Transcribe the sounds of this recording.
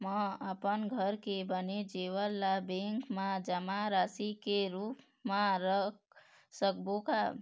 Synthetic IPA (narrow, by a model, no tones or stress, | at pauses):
məəpənɡʱəɾkebəned͡ʒewəlːabeŋkmad͡ʒəmaɾasikeɾup | maɾ | sək̚boka